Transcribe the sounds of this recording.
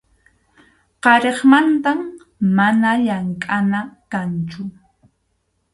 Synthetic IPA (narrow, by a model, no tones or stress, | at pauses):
qɑɾeχmant̪amː | anaʎaŋkʼanakant͡ʃʊ